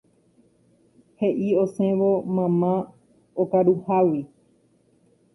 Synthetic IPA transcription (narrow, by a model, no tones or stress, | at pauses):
he̞ʔiosẽ̞ʋomãmã | okaɾuhawi